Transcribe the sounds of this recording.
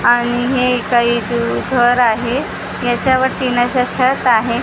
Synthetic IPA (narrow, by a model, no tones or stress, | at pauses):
aɽ̃iɦekaɦiːd̪ud̪ʱʋəɾaɦe | jat͡ɕjaʋəɾt̪inaɕat͡ɕʰət̪aɦe